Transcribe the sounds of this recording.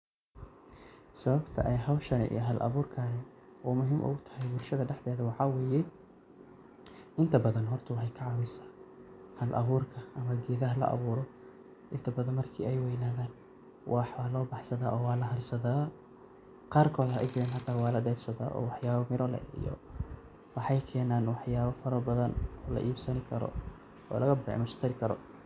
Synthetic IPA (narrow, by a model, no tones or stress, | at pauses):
sɐβɐbt̪ʰɐ̰ʔɛjɦɐwʃɐnɪ̰ʔḭjɔɦɐlʔɐ̰βuːrkʰaːnɛ | ʔuːmʊɦiːmʔʊ̰ɣʊt̪ʰɐ̥hɛjbʊrʃɐðɐɖɛħd̪ɛːðɐwɑħɑːwɛːjɛ | ʔɪnt̪ʰɐbɐðɐnɦɔrt̪ʰɐwɑħejkʰɐʕɑβɪsḁ | hɐlʔɐ̰βuːrkʰɐʔɐmɐɡɛːðɐɦɐlɐ̰ʔɐ̰βuːɾɔ | ʔɪnt̪ʰɐbɐðɐnmɐrkʰḭːɛjwɛjnaːðaːn | wʔɑːħwaːlɔːbɑħsɐðaːʔɔːwɑːlɐɦɐrsɐðaː | qɑːrkʰɔːðhɐʔɛ̰jd͡ʒɪɾɛːnħɑt̪ʰaːwɑːlɐɖɛːfsɐða̰ːʔɔ̰ːwɑħjaːβɐmɪɾɔlɛ̰ḭjɔ̰ | wɑħɑjkʰɛːnaːnwɑħjaːβɐfɐɾɐbɐðɐnɔːlɐ̰ʔiːbsɐnɪkʰɐɾɔ̰ | ɔ̰ːlɐɣɐbɪʕɪ̰mɐʃt̪ʰɐɾɪkʰɐɾɔ̰